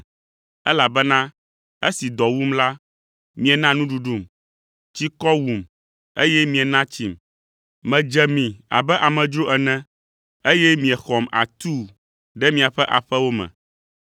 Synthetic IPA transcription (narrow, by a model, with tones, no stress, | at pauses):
ɛ˦la˨bɛ˦nã˦ | e˦si˨d̪ɔ˨wu˦mla˦ | mĩ˨ɛ˨nã˦nũ˦ɖu˨ɖu˦m | t͡ɕi˦kɔ˦wu˨m | ḛ˦jɛ˦mĩ˨ɛ˨nã˦t͡ɕi˦m | mɛ̃˨d͡ʒɛ˨mĩ˨a̰˨bɛ˦ʔa˨mɛ̃˨d͡ʒɾo˦ʔɛ˨nɛ̃˦ | e˦jɛ˦mĩ˨ɛ˨xɔ˨ma̰˨t̪u˦ | ɖɛ˦mĩ˨a˨ɸɛ˦ʔa˨ɸɛ˦wo˦mɛ̰̃˨